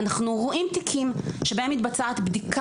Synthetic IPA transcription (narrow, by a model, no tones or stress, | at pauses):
naχnuʁoʔimt̪ikʰimʃebahemit̪̚bat͡saat̪bdikʰ